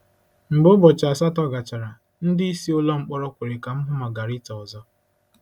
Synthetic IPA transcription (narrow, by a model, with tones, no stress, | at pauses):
ŋ͡m̩˨ɡ͡bʊ˦bɔ˨t͡ʃa˨sa˦tɔ˦ɡa˨t͡ʃa˨ɾa˨ | n̩˦dɪ˦i˦si˦ʊ˦lɔ˦ŋ͡m̩˦k͡pɔ˦ɾɔ˦kʷe˨ɾe˨ka˨m̩˦ɦʊ˦ma˨ɡa˨ɾi˦ta˨ɔ˨zɔ˦